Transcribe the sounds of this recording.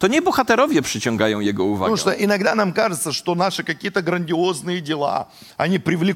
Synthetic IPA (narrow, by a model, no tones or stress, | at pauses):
t̪ɔɲɛbɔxat̪ɛɾɔvʲjɛpʂɘt͡ɕɔŋɡajɔ̃w̃jɛɡɔuva̰uʂt̪oʔɪnɐɡd̪anamkaʐɨt̪səʂt̪onaʂɨkɐkʲijət̪əɡɾənʲdʲɪoznɨjədʲɪlˠa̰ | ɐnʲipɾʲɪvlʲɪ